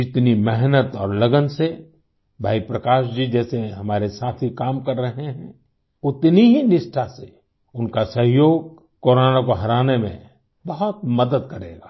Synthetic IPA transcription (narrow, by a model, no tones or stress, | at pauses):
d͡ʒɪt̪nimɛɦnət̪ɔːɾlɐɡənse | bʱaːipɾɐkaːʃd͡ʒiːd͡ʒɛːseɦɐmaːɾesaːt̪ʰikaːmkɐɾːɐɦeɦɛ̃ | ʊt̪niɦinɪʃʈʰase | ʊnkasɐɦjoːɡ̚ | koːɾaːnakoɦɐɾaːnemḛ̃ | bɐɦʊt̪̚mɐd̪əd̪̚kɐɾeːɡaː